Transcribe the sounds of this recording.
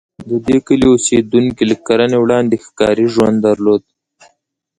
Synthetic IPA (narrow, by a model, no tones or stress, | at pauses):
d̪əd̪ekəliosed̪uŋkilakaɾanewɽɑnd̪exkɑ̰ɾiʒwa̰nd̪d̪aɾlod̪̚